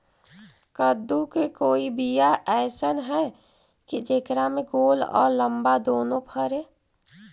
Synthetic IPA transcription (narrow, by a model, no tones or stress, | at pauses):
kəd̪ukekoːibijaʔɛːsənɦɛ | kid͡ʒeːkɾamẽɡoːlɔ̰ːɾləmbad̪oːnõpʰəɾe